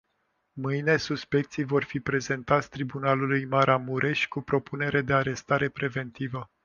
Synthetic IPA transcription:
mɨjne̞suspe̞k̚t̪sijvo̞rfipɾe̞ze̞nt̪at̪sʲt̪ɾibunalulujmaɾamuɾʔe̞ʃʲkupɾo̞pune̞ɾe̞d̪e̞aɾe̞st̪aɾe̞pɾe̞ve̞nt̪ivə

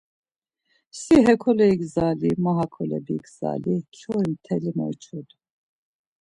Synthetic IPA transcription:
siɦɛkʰɔlɛiɡzalimaɦakʰɔlɛ̰biɡz̥a̰lit͡ʃʰɔimt̪ʰɛlimɔ̰jt͡ʃʰud̪

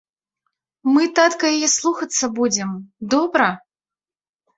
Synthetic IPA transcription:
mɨt̪at̪kɐjajɛslˠuxɐt̪sːɐbud͡zʲɪmd̪ɔbɾɐ

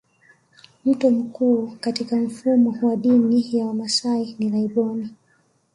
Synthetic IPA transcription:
m̩tɔm̩kuːkatikaɱ̩fumɔwaɗinijawamasainiɾaiɓɔni

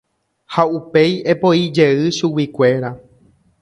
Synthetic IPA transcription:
haupe̞jepo̞id͡ʒe̞ɨʃuwikʷe̞ɾa

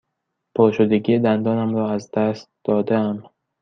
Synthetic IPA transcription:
pʰɒːʃod̪eɡiːed̪ænd̪ɒːnæmɾɒːæzd̪æst̪̚d̪̥ɒːd̪eæm

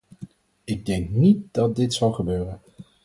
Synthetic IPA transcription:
ɪɡ̚dɛŋknit̚dɑt̚dɪtsɑlˠχəbøːrən

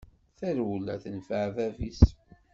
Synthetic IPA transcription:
θæɾwlːæθənfəʕðævis

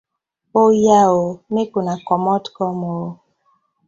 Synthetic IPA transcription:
ojaomekunakɔmɔtkɔmo

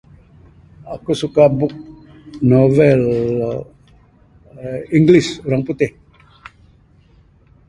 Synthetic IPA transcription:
akusukabuk̚ | novɛl | iŋɡlisuɾaŋput̪ɪh

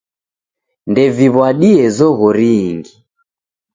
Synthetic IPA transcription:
ndɛviβwaɗiɛzɔɣɔɾiːŋɡi

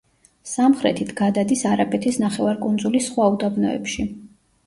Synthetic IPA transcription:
samχɾɛ̰t̪ʰit̪ʰɡ̥ad̪ad̪isaɾapʼɛt̪ʰisnaχɛvaɾkʼund̪zulisχwaud̪abnɔɛ̰pʃi

